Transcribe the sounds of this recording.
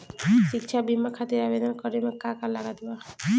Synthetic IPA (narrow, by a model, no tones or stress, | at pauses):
ʃikt͡ʃʰabimːakʰat̪iɾabed̪ɔnkɔɾimekakalaɡad̪ba